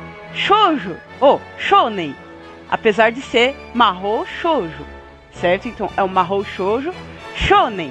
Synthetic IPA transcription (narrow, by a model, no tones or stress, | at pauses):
ʃoʒʊ | oʃonẽj̃ | a̰pezaɾd͡ʒɪseɾ | maɦoʃoʒʊ̰ | sɛɾt̪ʊẽt̪ɐ̃w̃ʔɛũmaɦowʃoʒʊʃonẽj̃